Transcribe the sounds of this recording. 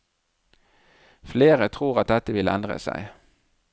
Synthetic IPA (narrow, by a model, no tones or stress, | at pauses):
fleːʁət̪ʰʁuːʁɑt̪̚d̪ɛt̪əʋɪləɛnd̪ʁə̰sæ̰ɪ